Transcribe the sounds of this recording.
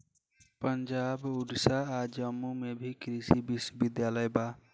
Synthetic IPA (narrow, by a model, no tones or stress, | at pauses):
pənd͡ʒabuɖsaːd͡ʒəmːumebʱikɾisibiswəbid̪jaləjba